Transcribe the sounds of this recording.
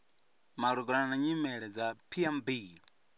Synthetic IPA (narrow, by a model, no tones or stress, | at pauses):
maɾuɡɔananaɲimɛɺɛd͡zapʰiɛmbi